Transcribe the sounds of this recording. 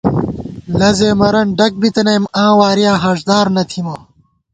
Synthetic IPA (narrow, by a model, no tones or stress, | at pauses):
lɐzeːmɐɾɐnɖɐk̚bit̪ɐnɐjmãːwaːɾijãːɦɐʐd̪aːɾnɐt̪ʰimɐ